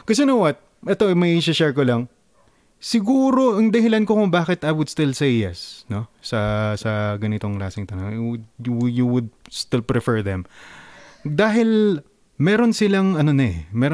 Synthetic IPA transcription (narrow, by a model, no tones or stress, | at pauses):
kɐs̬ɛnowɐt̪̚ | ʔɛt̪o̞ɛmɐʔiʃɐʃɛɹkolɐŋ | sɪɡuːɾo̞ʔɐŋd̪ɐhɪlankokoŋbaːkɪt̪ɐjwʊd̪̚st̪ɪlsejːɛ̰sno̞sɐsɐɡɐnɪt̪oŋla̰ːsɪŋt̪ɐnɐŋ | juwʊd̪̚st̪ɪlpɹɪfɛɹðɛm | d̪aːɦɪl | mɛːɾonsɪlɐŋɐno̞nɐɛmɛɾ